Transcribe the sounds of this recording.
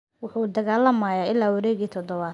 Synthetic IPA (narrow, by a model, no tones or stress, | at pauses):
wʊħuːd̪ɐɣaːlɐmaːjaːɪlːaːwɐɾɛːɣiːt̪ʰɔd̪ɔβaː